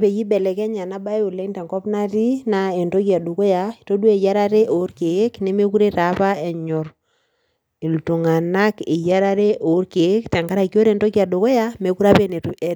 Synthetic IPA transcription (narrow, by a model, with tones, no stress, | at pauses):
pe˨ji˦bɛ˨lɛ˨kɛ˦ɲa˨na˦ba˦e˦o˨lɛ˦ntɛ˨ŋkɔ˦pna˦ti˦na˦e˨nto˦ki˦a˨du˨ko˦ja˨to˦dwe˨ja˦ɾa˦ɾe˦ʔo˨˦rke˨˦kne˦me˦ku˦ɾe˦ta˨˦pa˦ɛ˨ɲɔ˨ɾ | e˨ltu˨ŋa˨na˦kḛ˨ja˦ɾa˦ɾe˦ʔo˨˦rke˨˦kta˨ŋɡa˦ɾa˨ko˦ɾe˨nto˦ka˨do˨ko˦ja˦me˨˦ku˦ɾa˦pe˦ne˨tu˨ɛ˨